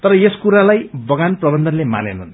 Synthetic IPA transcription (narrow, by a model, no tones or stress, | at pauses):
t̪ʌɾʌjeskuɾalajbʌɡanprʌbʌnd̪ʱʌnlema̰nḛnʌn